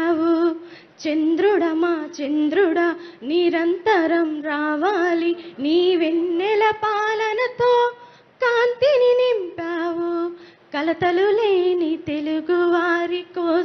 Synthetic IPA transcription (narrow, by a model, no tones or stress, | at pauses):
wu | t͡ʃend̪ɾuɽɐmaːt͡ʃend̪ɾuɽɐniɾɐnt̪ɐɾɐmɾaːʋaːliniːʋenːɛlɐpaːlɐnɐt̪oː | kaːnt̪ininimpaːʋu | kɐlɐt̪ɐluleːnit̪e̞luɡuʋaːɾiko